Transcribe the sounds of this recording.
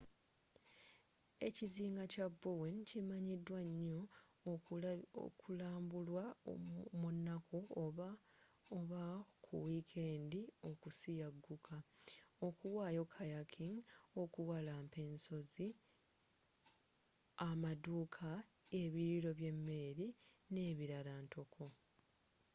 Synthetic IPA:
e̞̰ciziːŋɡacabːuwencimaɲidwaɲːo̞ | kulaːmbulwa | munːakuo | oβakʰṵwikʰeːndio̞kusijaɡːukʰaokuwaːjo̞kʰajakʰiŋo̞kuwalaːmpe̞ːnso̞zi | amaduːkʰa | e̞βiɾiɾo̞βje̞mːe̞ːɾine̞ːβiɾalaːnto̞kʰo̞

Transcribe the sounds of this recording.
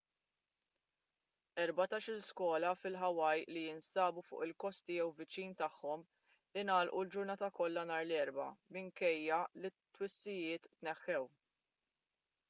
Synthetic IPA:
ɛɾbɐt̪ɐːʃɪlskwɔːlɐfɪlħɐwɐjlijɪnsɐːbufʊ̰ːʔɪlkɔst̪ɪjɛwvɪt͡ʃiːnt̪ɐħːɔm | ɪnɐːlʔuld͡ʒʊɾnɐːt̪ɐkɔlːɐnɐːɾlɛɾbɐ̰mɪŋkɛjːɐlɪt̪ːwɪsːɪjɪːt̪ːnɛħːɛw

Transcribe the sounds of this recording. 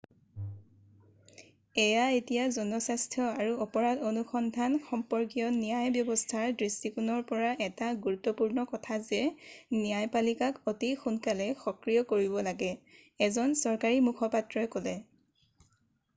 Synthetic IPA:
ɛjaetijazɔnɔsastʰjɔaɹuɔpɔɹatonuxɔndʱanxɔmpɔɹkijɔnijajbjɔbɔstʰaɹdɹistikunɔɹpɔɹaʔɛtaɡuɹutːɔpuɹnɔkɔtʰazɛnijajpalikakotixunkalɛxɔkɹijɔkoɹibɔlaɡɛ | ɛzɔnsɔɹkaɹimukʰɔpatɹɔɛkɔlɛ

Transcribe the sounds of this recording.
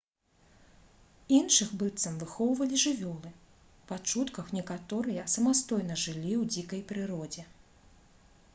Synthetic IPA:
inʂɨxbɨt̪sɐmvɨxɔwvɐlʲiʐɨvʲɔlˠɨ | pat͡ʂut̪kɐxnʲɛkat̪ɔɾɨjɐsɐmast̪ɔjnɐʐɨlʲiwd͡zʲikɐjpɾɨɾɔd͡zʲɛ

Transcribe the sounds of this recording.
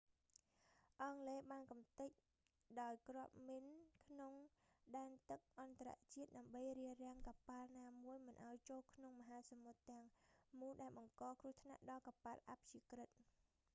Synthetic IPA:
ʔɑŋleːɓaːnkumt̪ɨc̚ | ɗaɔjkrŏəp̚minkʰnoŋ | ɗaɛnt̪ɨk̚ʔɑnt̪ara̰ʔt͡ɕiət̪̚ɗaəmɓəjriərɛ̆əŋkapalnaːmuəjmɨnʔaɔjt͡ɕoːlkʰnoŋməɦaːsamot̪ːɛ̆əŋmuːnɗaɛlɓɑŋkɑːkrŭəht̪ʰna̰ʔɗɑlkapalʔap̚ʰt͡ɕiəkrɨt̪̚

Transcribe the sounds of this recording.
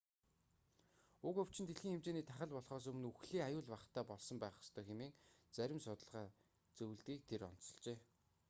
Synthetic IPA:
ʊkɵw̥t͡ɕɪnt̪ʰeɮxiːŋxemt͡ɕeːniːt̪ʰaχə̆ɮpɔɮχɔːs̬ɵmɘ̆nuxɮiːŋajʊːɮpaχt̪ʰæːpɔɮsɞ̆mpæːχɔ̥st̪ʰœːxemeːŋt͡sæɾʲɪ̆msʊt̪ə̆ɮʁaː | t͡sɵw̆ɮt̪iːk̚t̪ʰeɾɔ̰n̥t͡sɞ̥̆ɮt͡ɕeː

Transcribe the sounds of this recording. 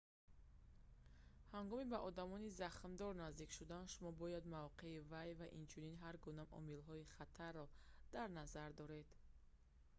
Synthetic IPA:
haŋɡɔmibaʔɔd̪amɔnizaχmd̪ɔɾnazd̪ikʃud̪anʃumɔbɔjad̪mavqʰe̞ivajvaʔint͡ʃʰuninɦaɾɡunamʔɔ̰milɦɔiχat̪ʰarːɔd̪̥aɾnazaɾd̪ɔɾe̞d̪̥

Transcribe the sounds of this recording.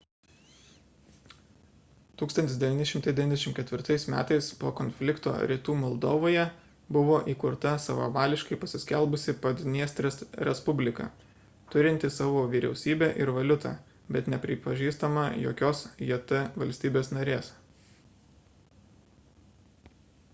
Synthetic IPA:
t̪uːksɐnt̪ʲɪsd̪ʲɛʋʲiːnʲɪʃʲɪmt̪ɐɪd̪ʲɛʋʲinʲɛʃʲɪmkʲɛt̪ʲʋʲɪɾt̪ɐɪsmʲæ̰ːt̪ɐɪspoːkɔnʲfʲlʲɪkt̪o̰ːɾʲiːt̪uːmɐlˠd̪oːʋoːjɛ | bʊʋoːʔiːkʊɾt̪ɐsɐʋɐ̰ʋɑːlʲɪʃkɐɪpɐsʲɪsʲkʲɛlˠbʊsʲɪpɐd̪ʲnʲiɛst̪ʲɾʲɛsɾʲɛspʊbʲlʲɪkɐ̰ | t̪ʊɾʲɪnʲt̪ʲɪsɑːʋoːʋʲiːɾʲɛ̰ʊsʲiːbʲeːʔɪɾʋɐlʲʊt̪ɑ̰ | bʲɛt̪nʲɛpʲɾʲɪpɐʒʲiːst̪ɐmɐjo̰ːkʲoːsjit̪ɐʋɐlʲsʲt̪ʲiːbʲeːsnɐɾʲeːs

